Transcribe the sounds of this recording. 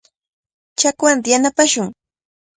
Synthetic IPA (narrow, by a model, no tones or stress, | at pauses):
t͡ʃakwant̪ɪjanapaʃʊŋ